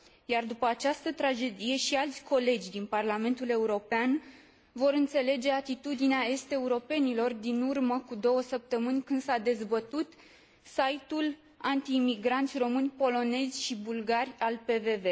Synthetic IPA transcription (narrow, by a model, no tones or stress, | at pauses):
jard̪upəat͡ʃast̪ət̪ɾad͡ʒe̞d̪ije̞ʃialt̪sʲkʰo̞le̞d͡ʒʲd̪inparlame̞nt̪ule̞uɾo̞pean | vo̞ɾɨnt̪se̞le̞d͡ʒe̞at̪it̪ud̪ineae̞st̪e̞uɾo̞pe̞nilo̞rd̪inurməkud̪o̞wəsəp̚t̪əmɨnʲkɨnd̪sad̪e̞zbət̪ut̪ | sajt̪ul | ant̪iːmiɡɾant̪sʲro̞mɨnʲpo̞lo̞ne̞zʲʃibulɡarʲalpe̞ve̞ve̞